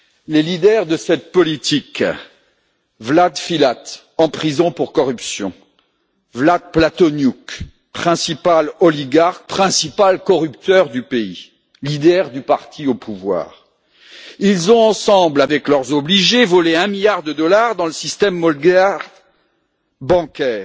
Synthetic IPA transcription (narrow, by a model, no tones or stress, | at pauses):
lelid̪ɛʁd̪əsɛt̪̚pɔlit̪ik | vlad̪filat̪ | ɑ̃pχizɔ̃puʁkɔʁypsjɔ̰̃ | vlad̪̚plat̪ɔnjuk | pχɛ̃sipalɔliɡaʁk̚pχɛ̃sipalkɔʁypt̪œʁd̪ypei | lid̪ɛʁd̪ypaʁt̪ʰiopʰuvwa̰ːʁ | ilzɔ̃ɑ̃sɑ̃blavɛklœʁzɔbliʒevɔleɛ̃miljaʁd̪əd̪ɔlaʁd̪ɑ̃ləsist̪ɛmːɔlɡa | bɑ̃kʲɛːʁ